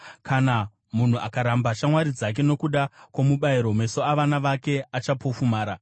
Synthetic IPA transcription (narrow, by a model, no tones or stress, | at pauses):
kana | mun̤uʔakaɾambaʃamwaɾid͡zak̬e̞no̞kuɗakwomuɓaiɾo̞me̞soaʋanaʋake̞at͡ʃapo̞fumaːɾa